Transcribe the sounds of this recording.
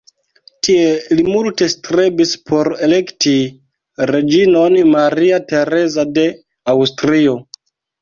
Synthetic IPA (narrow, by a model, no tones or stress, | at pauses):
tie̞limulte̞stɾebispʰo̞ɾe̞le̞kti | ɾe̞d͡ʒino̞nmaɾiate̞ɾe̞zade̞ | awstɾio̞